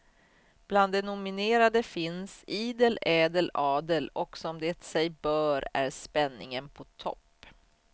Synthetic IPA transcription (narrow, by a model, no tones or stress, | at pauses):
b̥land̪ːɛnʊmɪneːɾad̪əfɪnsiːd̪əlɛːd̪əlɑːd̪əlɔksɔmd̪eːt̪sɛjbœːɾæɾspɛnːɪŋənpʰɔt̪ʰɔ̰pː